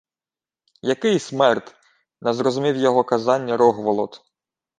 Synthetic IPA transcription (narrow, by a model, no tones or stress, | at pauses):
jɐkɪjsmɛrt̪ | nɛzɾɔzʊmʲiwjɔɦɔkɐzɑnʲːɐɾɔɦʋɔlˠɔt̪